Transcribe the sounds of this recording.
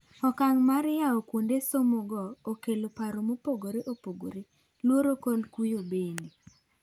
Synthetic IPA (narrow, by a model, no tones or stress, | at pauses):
ɔkaŋmaɾɪjaokwondesomuɡɔokelopaɾomopoɡoɾeʔopoɡo̰ɾe | lwoɾokolkujobendi